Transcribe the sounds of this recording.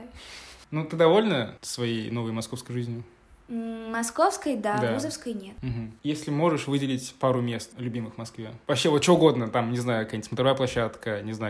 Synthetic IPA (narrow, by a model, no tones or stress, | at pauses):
nut̪ɨd̪ɐvo̞lʲnəsvɐjejno̞vəjmɐsko̞fskəjʐɨzʲnʲjʊ | mɐskofskəjd̪ad̪vauzəfskəjnʲet̪m̩ɦm̩jesʲlʲɪmo̞ʐɨʂvɨdʲɪlʲɪtʲpaɾʊmʲe̞st̪lʲʊbʲimɨxmɐskvʲevɐpɕːevot̪̚t͡ɕvoʊɡo̞d̪nət̪amnʲɪznajʊkɐkjnʲt̪ʲsmət̪ɾvajəplˠɐɕːat̪kənʲɪznaʊ